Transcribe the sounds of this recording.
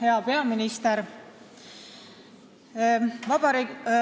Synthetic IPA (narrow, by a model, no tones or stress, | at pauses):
he̞ɑpe̞ɑminist̪eɾ | vɑb̥ɑɾi